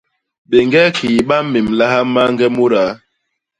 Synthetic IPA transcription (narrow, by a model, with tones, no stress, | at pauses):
ɓe˨ŋɡɛ˦kʰi˨ɓa˦me˨mla˦ha˦ma˦ŋ˦ɡɛ˦mu˦ɾa˨˦